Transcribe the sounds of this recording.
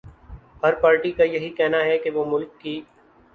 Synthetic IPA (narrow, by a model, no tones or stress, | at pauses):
hɐɾpaːɾʈikajɐɦikɛɦnaɦɛkeʋoːmʊlkːiː